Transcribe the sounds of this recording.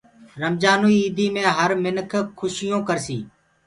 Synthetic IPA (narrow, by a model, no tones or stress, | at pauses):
ɾəmd͡ʒaːnuːiiːd̪ʱiːmẽːɦəɾmɪnkʰkʰːʊʃɪjõːkəɾsiː